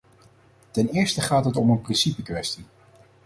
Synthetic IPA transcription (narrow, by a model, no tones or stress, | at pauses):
tɛnɪːɹstəχaːtɦətɔmənprɪnsipəkʋɛsti